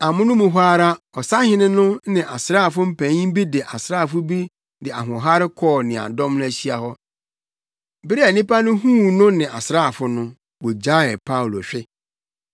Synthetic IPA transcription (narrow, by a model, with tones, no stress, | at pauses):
a˨mʊ̃˦nʊ̃˦mʊ̃˨ɦʷaː˦ɾa˦ | ɔ˨sa˦hɪ̃˦nɪ̃˦nʊ̃˦nɪ̃˨ʔa˨sɾaː˦˨fʊ˦m̩˦pʰæ̃˨˦ɲĩ˦m˦bi˦dɪ˨ʔa˨sɾaː˦˨fʊ˦bi˦ | dɪ˨a̰˨ɦʊ̃˨ɦa˦ɾɪ˦kʰɔː˦˨nɪ̃˨a̰˨dɔ̃˦mnʊ̃˦æ˦ɕi˦a˨hɔ˦ | bɪ˦ɾi˦æ˨nĩ˦pa˦nʊ̃˦hũ˦˨nʊ̃˦nɪ̃˨ʔa˨sɾaː˦˨fʊ˦nʊ̃˦ | wo˨d͡ʑa˦ɪ˨pʰa˦u˨lo˨ɕᶣɪ˦